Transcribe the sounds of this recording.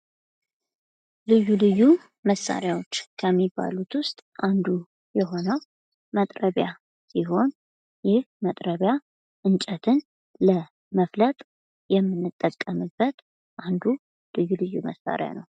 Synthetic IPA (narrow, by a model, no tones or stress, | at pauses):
lɨjːulɨjːu | məsa̰ɾjawot͡ʃːkʰəmːibːa̰lut̪wʊst̪ʼʔand̪u | jɛɦo̞nəw | mət̪ʼɾəβja | siɦo̞n | jɪhmət̪ʼɾəβja | ʔɨnt͡ʃʼɛt̪ʰɨn | lə | məflət̪ʼ | jɛmːɨnːɨt̪ʼːəkʼːəmɨbːət̪ | ʔand̪u | lɨjːulɨjːuməsːa̰ɾɪja̰nəw